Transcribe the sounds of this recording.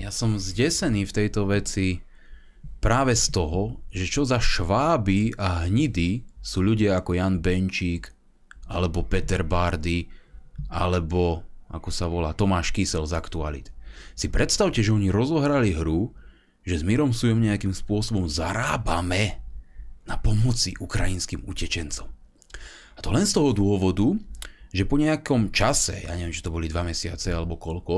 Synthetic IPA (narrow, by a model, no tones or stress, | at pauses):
jasɔmzɟɛsɛniːft̪ɛjt̪ɔʋɛt͡si | pɾaːʋɛst̪ɔɦɔʒɛt͡ʃɔzaʃʋaːbiaɦɲid̪isuːʎuɟɪaakɔjanbɛnt͡ʃiːk | alɛbɔpɛt̪ɛɾbaɾd̪i | a̰lɛbɔʔa̰kɔsaʋɔla̰ːt̪ɔmaːʃkisɛlzakt̪ua̰lḭt̪sipɾɛt̪st̪aʊcɛʒɛɔɲiɾɔzɔɦɾaliɦɾu | ʒɛzmiɾɔmsujɔmɲɛakimspʊɔsɔbɔmzaɾaːbamɛ | napɔmɔt͡siʔukɾajinskimucɛt͡ʃɛnt͡sɔm | at̪ɔlɛnst̪ɔɦɔd̪ʊɔʋɔd̪uʒɛpɔɲɛakɔmt͡ʃasɛ̰ja̰ːɲɛʋiɛmt͡ʃi̥t̪ɔbɔlid̪ʋamɛsɪat͡sɛalɛbɔkɔʎkɔ